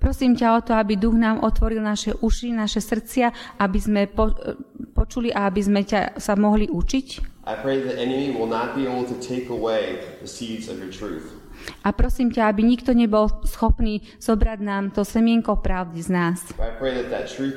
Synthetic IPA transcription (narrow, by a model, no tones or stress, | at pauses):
pɾɔsiːmcaɔt̪ɔabid̪uɣnaːmʔɔt̪ʋɔɾilnaʃɛʔuʃinaʃɛsr̩t͡sɪaʔabizmɛpɔpɔt͡ʃuliʔaabizmɛca̰samɔɦliʔut͡ʃicʔaɪpʰɹ̥eɪðiʔɛnɨmiwɪlˠnət̚b̥ieɪbl̩ˠtʰɨtʰeɪkəweɪðəsidzʌ̰vjə˞tʰɹ̥ʉ̰θ | ʔapɾɔsiːmcaabiɲik̚t̪ɔɲɛbɔlsxɔpniː | z̥ɔbɾaɟnaːmt̪ɔsɛmɪɛŋkɔpɾaʊd̪iznaːsb̥ɾaɪpʰɹ̥eɪðɨt̪̚ðɨ̰tʰɹ̥ʉ